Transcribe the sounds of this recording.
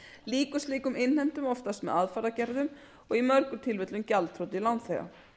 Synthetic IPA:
liːkʏst̪liːkʏmɪnhɛn̥t̪ʏmɔft̪ast̪mɛ̰ðaðfaɾacɛɾðʏm | ɔɣimœɾkʏ̥t̪ʰɪlvɪt̪lʏmcalt̪ʰɾowt̪ɪilant̪θejɣa̰

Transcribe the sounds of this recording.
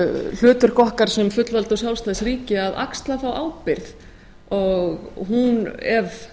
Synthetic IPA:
l̥ʏːt̪ʏɾ̥kɔhkaɾ̥sɛmfʏt̪lvalt̪ɔwsjawlst̪aːðɪsriːcɪaðʔa̰kst̪laθawʔawpɪɾθ | ɔɣhunɛv

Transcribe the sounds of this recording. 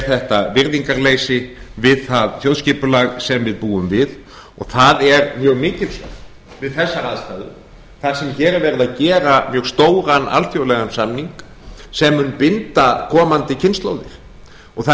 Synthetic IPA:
θɛht̪avɪɾðiŋkaɾleːjsɪvɪðθaðθjowðscɪːpʏlaɣsɛmvɪðpuːʏmvɪð | ɔɣθaðɛɾmjœːɣmɪːcɪlsa | vɪðθɛsːaɾaːðst̪aːðʏ | θansɛmçɛːɾɛɾvɛɾɪðaðcɛːɾamjœːɣst̪oːwɾana̰lfjowlɛɣansamniŋk | sɛmːʏnpɪnt̪akʰɔːmant̪ɪcʰɪnst̪lo̰wðɪɾ̥ | ɔɣθa

